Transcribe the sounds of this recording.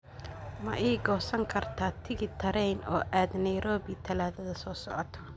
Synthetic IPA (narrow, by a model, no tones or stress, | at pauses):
mɐʔɛːɡɔːsɐŋkʰɐrt̪ʰaːt̪ʰɪɣɪt̪ʰɐɾɛjnɔ̰ːʔaːd̪nɐjɾɔːbɪt̪ʰɐlaːðɐðɐsɔːsɔ̰ʕɔt̪ʰɔ̥